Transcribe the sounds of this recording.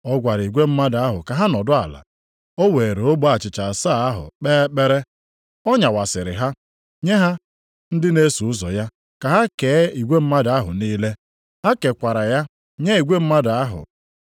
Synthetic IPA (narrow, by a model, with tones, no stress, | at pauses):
ɔ˦ɡʷa˨ɾi˨ɡʷe˦m̩˦ma˦da˦ɦʊ̰˨ka˨ɦa˦nɔ˨dʊ˦a̰˨la̰˨ | o˦we˨ɾe˨o˦ɡ͡bo˦a˨t͡ʃɪ˨t͡ʃa˨a˨sa˦˨a˦ɦʊ̰˨k͡pe˦k͡pe˦ɾe˦ | ɔ˦ɲa˨wa˨sɪ˨ɾɪ̰˨ɦa˦ | ɲe˦ɦa˦ | n̩˦dɪ˦ne˦su˨ʊ˦zɔ̰˨ja˦ | ka˨ɦa˦ke˨˦i˨ɡʷe˦m̩˦ma˦da˦ɦʊ̰˨niː˦le˦ | ha˦ke˨kʷa˨ɾa˨ja˦ | ɲe˦i˨ɡʷe˦m̩˦ma˦da˦ɦʊ̰˨